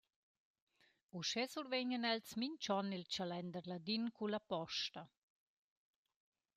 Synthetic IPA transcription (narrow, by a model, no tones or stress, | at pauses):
uʃɛsuɾveɲənɛlt͡smiɲt͡ʃɔnilt͡ʃalɛnd̪əɾlad̪inkulapɔʃtɐ